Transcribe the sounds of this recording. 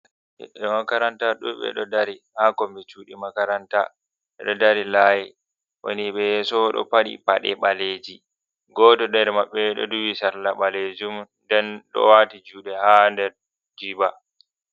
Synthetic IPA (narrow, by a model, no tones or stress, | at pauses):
ɛ̰ɗɛmakaɾantaɗṵɓɛ̰ɗɔdaɾihakɔmbɛt͡ʃuːɗimakaɾanta̰ | ɓɛɗɔdaɾilaːjɛ | wo̰niɓɛjɛsɔɗɔ̰paɗḭpaɗɛɓaleːd͡ʒi | ɡɔːtɔɗɛɾmaɓːɛɗɔ̰duwisaɾlaɓaled͡ʒumndɛnɗɔ̰watid͡ʒuːɗɛhandɛɾ | d͡ʒiba